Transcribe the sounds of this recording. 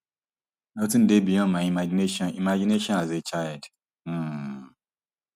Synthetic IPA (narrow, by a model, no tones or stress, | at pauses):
nɔtĩn̩debijɔ̃nmaimad͡ʒineʃɔ̃nimad͡ʒineʃɔ̃nazet͡ʃajd̩